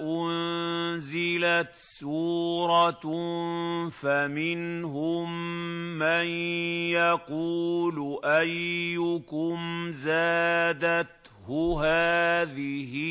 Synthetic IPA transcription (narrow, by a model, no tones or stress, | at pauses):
ʔʊnnzɪlat̪suːɾˤɑ | famɪnɦʊmː | anjɑquːlʔajːʊkʊmzaːd̪at̪ | hʊɦaːðɪhɪ